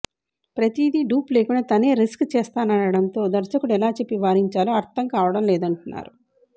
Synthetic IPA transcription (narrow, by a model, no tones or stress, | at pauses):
pɾɐt̪iːd̪iɖuːple̞ːkunɐt̪ɐne̞ːɾiskt͡ʃɛːst̪aːnɐnɐɽɐnt̪o̞ːd̪ɐɾsɐkuɽɛlaːt͡ʃe̞pːiʋaːɾiɲt͡ʃaːluɐɾt̪ʰɐŋkaːʋɐɽɐmlɛːd̪ɐɳʈunːa̰ːɾu